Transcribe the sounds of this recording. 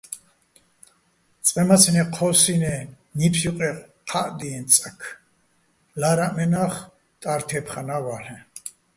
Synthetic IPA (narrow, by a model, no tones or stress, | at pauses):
t̪t͡sʼqʼɛmasʰinɛqʰɔsinɛ | nipʰsjuqʼɛqʰaʔd̪iɛnt͡sʼakʰ | laɾaʔmɛnaχ | t̪ʼaɾt̪ʰɛpʰχanawaɬɛ